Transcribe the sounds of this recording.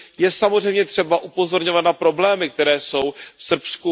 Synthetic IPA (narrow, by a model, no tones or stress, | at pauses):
jɛsamozrɛjmɲɛt̪r̝̥ɛbaʔupo̞zo̞ɾɲo̞vat̪napɾo̞blɛːmɪk̚t̪ɛɾɛːso̞wfsr̩psku